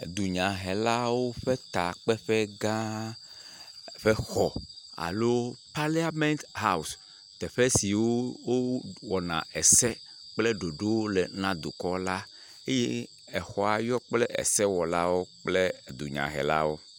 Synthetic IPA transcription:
d̪u˨ɲã˨ɦɛ˨la˦wo˦ɸe˦t̪a˨k͡pɛ˦ɸɛ˦ɡã˦ | ɸe˦xɔ˨a̰˨lo˦pa˦li˦a˦mɛ̃˦nt̪ɦa˦˨u˨s | t̪ɛ˨ɸe˦si˨wo˦wo˦wɔ˨nã̰˨ɛ˨sɛ˦ | k͡ple˦ɖo˨ɖo˦wle˨nã˦d̪o̰˨kɔ˦la˦ | e˦je˦ | ɛ˨xɔ˨a˨jɔ˦k͡plɛ˦ʔḛ˨sɛ˦wɔ˨la˦wo˦k͡ple˦˨d̪ṵ˨ɲã̰˨ɦɛ̰˨la̰˦wo˦

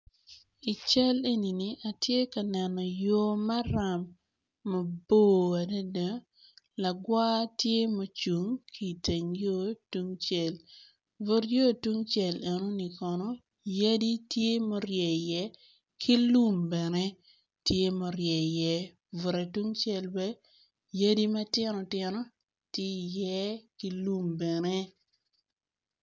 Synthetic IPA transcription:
i˨t͡ʃɛ˦le˦ni˨ni˨ʔa˨tje˦ka˨nɛ˨nɔ˨jo˦ma˦ɾa˨mː | ɐ˨bo˦˨a˨da˦da˨˦ | la˨ɡwa˦tje˦mo˦t͡ʃu˨ŋkʰi˦˨te˨ŋjo˦tu˦ŋt͡ʃɛ˨l | vo˦ɾjo˦˨tu˦ŋt͡ʃɛ˨le˨no˦ni˨kɔ˨nɔ˦ | ja˦di˦tje˦mo˦ɾjɛ˨jɛ˦ | kʰi˦lu˦mbɛ˨nɛ˦ | tje˦mo˨ɾjɛ˨jɛ˦ | vu˨ɾe˨tu˦ŋt͡ʃɛ˦lbɛ˦ | ja˦di˦ma˦tɪ˦nɔ˨tjɪ˦nɔ˦ | tje˦i˨jɛ˦ki˦lu˦mbɛ˨nɛ˦

